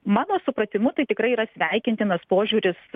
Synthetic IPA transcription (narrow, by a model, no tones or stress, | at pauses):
mɑːnoːsʊpɾɐt̪ʲɪmut̪ɐɪt̪ʲɪkɾɐɪiːɾɐsʲʋʲɛɪkʲɪnʲt̪ʲɪnɐspoːʒʲuːɾʲɪs